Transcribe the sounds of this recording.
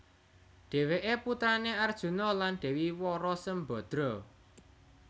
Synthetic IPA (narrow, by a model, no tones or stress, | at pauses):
ɖ̪̥ɛ̤weʔeput̪ɾaneard̥ʒ̥ṳnɔlanɖ̪̥ɛ̤wiwɔɾɔsəmbɔ̤d̪̥ɾɔ